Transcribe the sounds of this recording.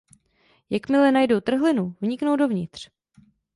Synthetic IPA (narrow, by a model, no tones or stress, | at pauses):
jakmɪlɛnajdowt̪r̩ɦlɪnuvɲɪkno̞wdo̞vɲɪt̪r̝̥